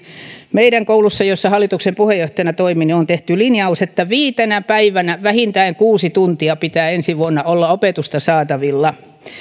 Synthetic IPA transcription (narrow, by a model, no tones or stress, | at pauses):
meiɾæŋkoulusːɑjosːɑhɑlːˑit̪uksempuhejjoht̪ɑjɑnɑt̪oiminiont̪eht̪ylinjɑuset̪ːæʋiːt̪enæpæiʋænæʋæhint̪æiŋkuːsit̪unt̪iɑpit̪æːensiʋuonːɑolːɑopet̪ust̪ɑsɑːt̪ɑʋilːɑ